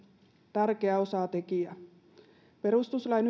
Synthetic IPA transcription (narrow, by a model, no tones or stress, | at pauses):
t̪ærkeæo̞sɑːˑt̪e̞kiæ | pe̞ɾust̪uslɑjn